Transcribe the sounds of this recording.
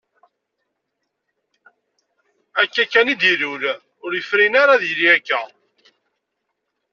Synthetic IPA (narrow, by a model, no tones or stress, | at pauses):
ækːækːænid̪iɾul | ʊɾjəfɾinaɾaðjliækːæ